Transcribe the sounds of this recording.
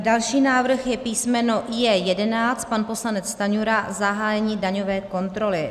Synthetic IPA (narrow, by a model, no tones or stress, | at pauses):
dalʃiːnaːvr̩xjɛpiːsmɛnoʔjɛjɛdɛnaːt͡st̪̚panpo̞slanɛt͡st̪aɲuɾazaɦaːjɛɲiːdaɲo̞vɛːko̞nt̪ɾo̞lɪ